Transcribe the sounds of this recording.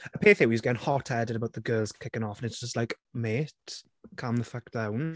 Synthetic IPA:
əpʰeːθɪwizɡɛɪ̃ŋhɔtʰɛdɪdəbawʔ̚ðəɡɜːlˠz̥kʰɪkɪ̃ŋɔfə̃nɪtsd̥ʒ̥ʌstlaɪk | meːt | kʰãmðəfək̚d̥ãwn

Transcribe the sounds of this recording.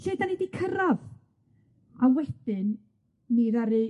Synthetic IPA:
ɬedanidikʰəɾav | awɛd̥ɪnː | iɾaɾɨ

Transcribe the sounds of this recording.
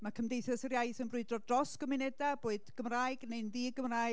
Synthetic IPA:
makʰəmdejθɛsərjajθənbrʊɨdrɔdrɔsɡ̥ɔmɪnɛdaboːɨd̥ɡ̥əmraːɨɡ̥neɨnðiːɡəmra

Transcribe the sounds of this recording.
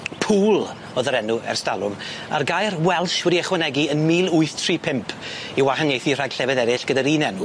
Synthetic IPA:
pʰuːlˠ | ɔðəɾɛnuɛ̰rstalˠʊm | a̰rɡajrwɛlˠʃwɛdiaχwɛnɛɡiənmiːlˠʊɨθtʰripʰɪmpʰ | iwaɦanjejθir̥aɡ̥ɬɛvɛðɛɾɪɬɡ̥ədaɾiːnɛnu

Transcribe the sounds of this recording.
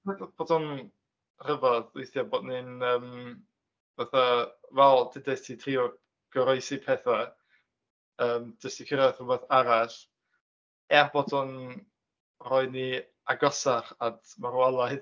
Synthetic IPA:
ɛb̥oːdɔn | r̥əvɔðʊjθjaboːdnɨnəːm | vaθavɛlˠdɪdɛstʰitʰriɔ | ɡ̥ɔɾɔɨsipʰɛθa | əːmd͡ʒəstikʰəɾajθrʊmɛθaɾaɬ | ɛrb̥ɔdɔn | rɔɨni | aɡɔsaχadmaɾwalˠaj

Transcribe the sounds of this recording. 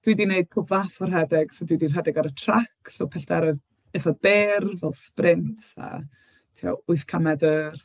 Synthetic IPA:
d̥widineɨd̥̚kʰʊvafɔrɦɛdɛɡ̥sodwidir̥ɦɛdɛɡaɾətʰrakʰsɔpʰɛɬd̥ɛɾɪð | ɛfab̥eːrvɛlˠsprɪntʰa̰ | tʰiɔ̰ʊɨθkʰamɛdər

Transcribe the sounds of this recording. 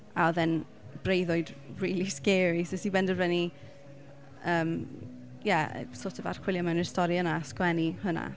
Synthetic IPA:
aɔðɛn | b̥rejðʊɨdriːlˠiskɛːɾisosiːbɛndəvɛni | əːm | jɛə̰soːtʰəva̰r̥kʰwɪlˠjamɛwnstɔɾiənaskwɛnihʊna̰

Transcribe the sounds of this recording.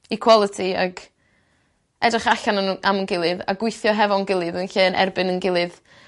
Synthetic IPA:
ikʰw̥ɔlˠətʰia̰ɡ | ɛdrɪχaɬanəʔamənɡɪlˠɨða̰ɡwɪɨθjɔɦɛvɔnɡɪlˠɨðənɬɨːnʔɛ̰rbɨnənɡɪlˠɨð

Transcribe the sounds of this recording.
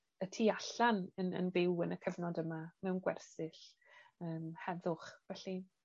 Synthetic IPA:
ətʰiːaɬanənə̰nbɪwənəkʰəvnɔdəmamɛwnɡwɛ̰rsɪɬ | əːmhɛðʊχvɛɬi

